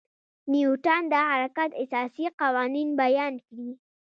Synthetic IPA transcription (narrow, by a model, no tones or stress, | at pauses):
niuʈɑnd̪əhaɾakat̪ɪsɑsiqɑwɑninbajɑnkɽi